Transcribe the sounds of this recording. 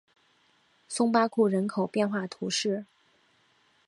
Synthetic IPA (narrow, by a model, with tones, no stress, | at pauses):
sʊ˥ŋpa˥kʰu˥˩ɻə˧˥nkʰo˨˩ʊpjɛ˥˧nxwa˥˩t̪ʰu˧˥ʂɻ̩˥˩